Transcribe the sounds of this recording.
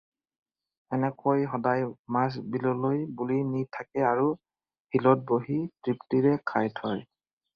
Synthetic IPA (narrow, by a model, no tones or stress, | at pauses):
ɛnɛkojɦɔdajmas̬bilɔlojbulinitʰakɛaɹu | hilɔt̚boɦitɹiptiɹɛkʰajtʰɔj